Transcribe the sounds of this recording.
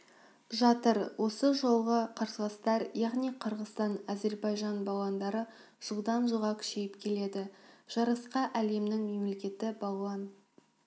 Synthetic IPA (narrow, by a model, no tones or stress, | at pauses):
ʒɑt̪əɾwo̞səʒo̞lˠʁəqʰəɾsəʁɑst̪ɑɾjɑʁnijqʰəɾʁəst̪ɑnæze̞ɾbɑjʒɑnbɑw̪ˠɑnd̪ɑɾə | ʒ̥əlˠd̪ɑnʒuʁɑkʲʰʏ̥ʃejɪpkʲʰe̞le̞d̪ɪʒ̥ɑɾɑsqɑʔæle̞mnɪŋme̞mle̞kʲe̞t̪ɪbɑɑn